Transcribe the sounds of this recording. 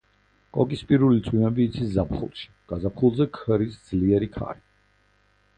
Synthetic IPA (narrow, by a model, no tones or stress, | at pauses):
kʼɔkʼispʼiɾulit̪sʼwimɛbiːt̪sʰiszapχṵlˠʃi̥ɡ̥azapχulˠzɛkʰəɾisd̪zliɛɾikʰa̰ɾi